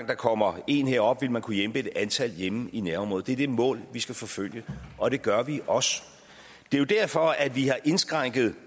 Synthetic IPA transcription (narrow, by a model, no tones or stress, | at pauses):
ŋd̥ɑ̈kʰɒ̽m̰ɐe̝̰nheɐ̰ɒ̽b̥ʋe̝lmænkʰujemb̥əe̝d̥ænt͡sʰæl̰jeminæɐmɔ̽ːð̩ˠd̥e̝ɐd̥e̝mɔ̰̽ːlʋisɡ̥æfɒ̽føl̰jəʔɒ̽d̥e̝ɡ̥ɶɐʋiʔɒ̽s | d̥e̝jo̝d̥æɐ̰fɒ̽æd̥ʋihɑ̈ʔe̝nsɡ̥ʁɑŋ̰ɡ̥ð̞̩ˠ